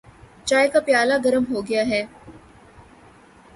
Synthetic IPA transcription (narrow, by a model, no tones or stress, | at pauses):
t͡ʃaːekapjaːlaɡɐɾəmɦoɡɐjaɦɛː